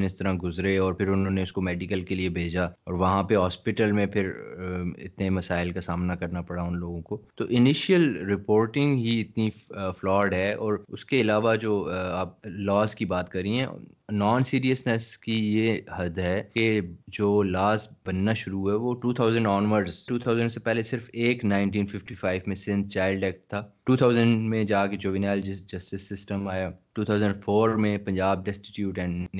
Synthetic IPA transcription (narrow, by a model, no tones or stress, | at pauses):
nɪst̪ɐɾãɡʊzɾeɔːɾpʰɪɾʊnɦõːneʊskomɛːɖɪkəlkeliebʱeːd͡ʒaɔːɾʋɐɦãpeɦɔːspɪʈəlmẽpʰɪɾ | ɪ̰t̪nemɐsaːɪlkasaːmnakɐɾnapɐɽaʊnloːɡõkot̪oʔɪnɪʃəlɾɪpoːɾʈɪ̃ŋɡɦiɪt̪niflɔːɖɦɛɔːɾʊskeɪlaːʋad͡ʒoːaːp̚lɔːskibaːt̪kɐɾĩɦɛ̃nɔːnsiːɾiəsnɛskijehɐd̪ɦɛked͡ʒoːlaːsbɐnːaʃʊɾuɦɛʋoʈuːt̪ʰaːʊzə̃ɳɖɔːnʋəɾɖzʈuːt̪ʰaʊzə̃ɳɖsepɛɦlesɪɾfeːknãːɪ̃nʈĩːnfɪfʈifʰaːɪʋmẽsɪ̃nd̪̚t͡ʃaːɪlɖɛːk̚ʈ̚t̪ʰːaːʈuːt̪ʰaːʊzə̃ɳɖmẽd͡ʒaːked͡ʒoːʋɪnaːld͡ʒɐsʈɪsːɪsʈəmaːjaʈuːt̪ʰaːʊzə̃ɳɖfoːɾmẽpɐ̃ɲd͡ʒaːb̚ɖɛsʈɪʈjuːʈɛ̃ːɳ